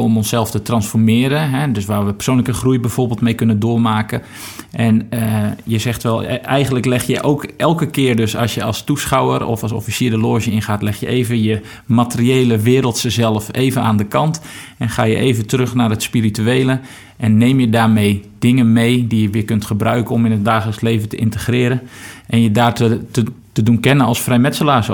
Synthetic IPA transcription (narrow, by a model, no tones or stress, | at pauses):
ɔmɔnsɛlˠftətrɑnsfɔrmɪːɾəɦɛdøsʋaːrʋəpə̥rsoːwnləkəxrujbɛjv̥oːrbɪːlˠtmejkønəndoːmaːkə | ʔɛnəjəzɛxtʋɛlˠɛjɣənləklɛxjəʔoːkʔɛlˠkəkɪːərdøsɑ̰sjəɑ̰lˠstusχawərɔ̰fɑlˠso̰fisɪːdəloːʒəɪnχaːtlɛxjəeːvəjə | matərieːləʋɪːɾəlˠtsəzɛlˠəfeːvəna̰ːndəkɑnt | ɛnχaːjə̰ʔeːvətərøxnaːrətspirityejlə | ʔɛnːeːmjədaːɹmejdɪŋənmejdijəʋɪːkɵntχəbrœɥkəɔmɪnɦət̚daːχələksleːvəntəʔɪntəxrɪːɾənʔɛnjədaːrtəətədunkɛnənɑlˠsfrɛjmɛtsəlaːs